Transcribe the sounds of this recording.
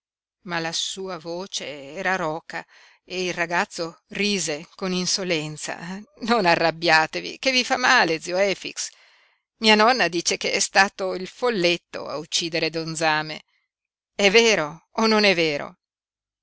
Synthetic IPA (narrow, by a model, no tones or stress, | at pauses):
malasuːavoːt͡ʃeɛːɾaɾɔːka | eilraɡat̪sːoriːzekoninsolɛnt̪sa̰nonarːabːjaːt̪evḭkevifamaːled̪ziːoɛːfḭks | miːanɔnːad̪iːt͡ʃekeɛst̪aːt̪oilfolːet̪ːo̰a̰ut͡ʃːiːd̪eɾed̪ond̪zaːmḛ | ɛvːeːɾoːnonɛvːeːɾo̰